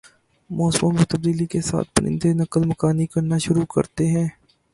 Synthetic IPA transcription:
mɔːsɾõmẽt̪ɐb̚d̪iːlikesa̰ːt̪̚ʰpɐnʔɪ̰̃nd̪enɐkəlmɐkaːnikɐɾnaʃʊɾukɐ̰ɾt̪eɦɛ̃ː

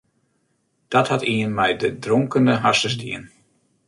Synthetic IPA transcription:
d̥ɔthatʰiənmɛjdədrɔŋkəndəɦasəzdiən

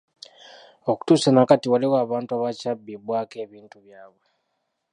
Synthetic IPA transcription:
o̞ku̥tuːsanakatiwaliwaːβaːntuaβacabːibwaːke̞ːβiːntuβjaːβwe

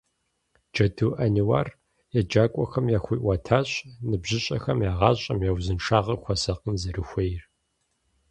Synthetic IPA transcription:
d͡ʒɐdʰɨwʔɐniwa̰ːr | jɛd͡ʒaːkʷʼɔxɐmjaːxʷiːʔʷɐtʰaːɕʼnɨbʑɪɕʼɐ̰xɐmjaːʁɑːɕʼɐmjɛwzɨnʂaːʁɐxʷɔsɐqənzɐɾɨxʷejr

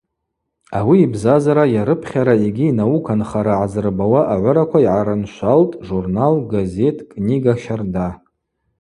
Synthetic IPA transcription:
awiːbzazaɾajaɾɨpʰχʲaɾaiɡʲiːnawukʰanχaɾaʕazɨrbawaʔaʕʷʊɾakʷʰaiʕaɾɨnʃʷaltʼʐurnalɡaze̞tʰʼkʼniɡaʃarda

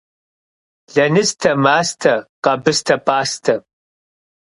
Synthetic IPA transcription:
ɮɐnɨstʰɐmaːstʰɐqɐbɨstʰɐpʰʼaːstʰɐ

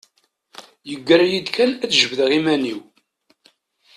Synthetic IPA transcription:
jəɡːəɾjid̪kænæt͡sʒəvəðʁimæniw

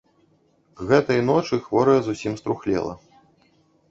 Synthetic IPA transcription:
ɣɛt̪ɐjn̪ɔt͡ʂɨxvɔɾɐjɐzusʲimst̪ɾuxlʲɛ̰lˠɐ̰

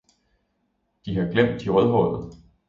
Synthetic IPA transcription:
d̥iɦɑ̈ɡ̥lem̰d̥iʁœðˠɦɔ̽ðð̩ˠ

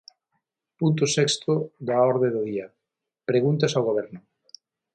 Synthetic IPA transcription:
punt̪̬ʊsɛkst̪ʊd̪aɔɾðeðʊðiɐ | pɾeɣunt̪ɐsawɣoβɛɾnʊ

